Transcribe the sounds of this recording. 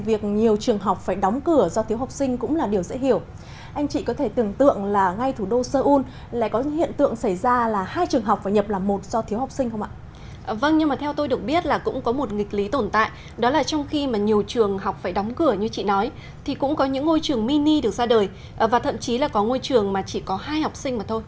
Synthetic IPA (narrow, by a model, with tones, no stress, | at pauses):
vi˨˩ək̚ɲi˨˩əwt͡ɕɨ˨˩əŋɦa˨˩wk͡p̚faː˧˩jɗɔ˨˦wŋ͡mkɨ˧˩əzɔ˧t̪ʰi˨˦wha˨˩wk͡p̚sï˧ŋ̟kʊ̰˧˥ŋ͡mlaː˨˩ɗi˨˩əwzɛ̰˧˥hi˧˩əw | ʔa˧jŋ̟t͡ɕḭ˧˨kɔ˨˦t̪ʰe˧˩t̪ɨ˨˩əŋt̪ɨ̰˧˨əŋlaː˨˩ŋa˧jt̪ʰu˧˩ɗo˧səː˧ʔu˧n | la̰ː˧˥jkɔ˨˦˥hḭ˧˨ənt̪ɨ̰˧˨əŋsa˧˩jzaː˧laː˨˩haː˧jt͡ɕɨ˨˩əŋɦa˨˩k͡p̚faː˧˩jɲə˨˩p̚laː˨˩mo˨˩t̚z̥ɔ˧t̪ʰi˨˦wha˨˩wk͡p̚si˧ŋ̟xə˧wŋ͡mʔa̰ː˧˨˩ | və˧nɲɨ˧ŋmaː˨˩t̪ʰɛ˧wt̪o˧jɗɨ˨˩ək̚ɓi˦˥ət̚laː˨˩kʊ̰˧˥ŋ͡mkɔ˨˦mo˨˩t̚ŋi˨˩k̟̚li˨˦t̪o˧˩nt̪a̰ː˧˨j | ɗɔ˨˦laː˨˩t͡ɕɔ˧wŋ͡mxi˧maː˨˩ɲi˨˩əwt͡ɕɨ˨˩əŋɦa˨˩wk͡p̚faː˧˩jɗa˨˦wŋ͡mkɨ˧˩əɲɨ˧t͡ɕḭ˧˨nɔ˨˦j | t̪ʰi˨˩kʊ̰˧˥ŋ͡mkɔ˨˦ɲɨ̰˧˥ŋːo˧jt͡ɕɨ˨˩əŋmi˧ni˧ɗɨ˨˩ək̚zaː˧ɗəː˨˩j | vaː˨˩t̪ʰə̰˧˨mt͡ɕi˨˦laː˨˩kɔ˨˦ŋo˧jt͡ɕɨ˨˩əŋmaː˨˩t͡ɕi˧˩kɔ˨˦haː˧jha˨˩wk͡p̚sï˧ŋ̟maː˨˩t̪ʰo˧jj